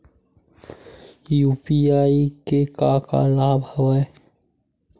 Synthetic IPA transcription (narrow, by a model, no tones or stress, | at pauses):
juːpiaːikekaka̰laːbʱəwae